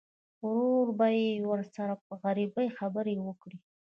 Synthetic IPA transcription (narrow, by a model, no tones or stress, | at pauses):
ʊɾoɾbajewəɾsaɾap̚əɣaɾibəjxabəɾewəkɽi